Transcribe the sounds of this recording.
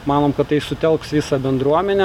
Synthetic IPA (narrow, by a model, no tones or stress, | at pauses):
mɑːnoːmkɐt̪t̪ɐɪsʊt̪ʲɛlˠksʋʲiːsɑbʲɛnd̪ɾuɔmʲɛnʲɛ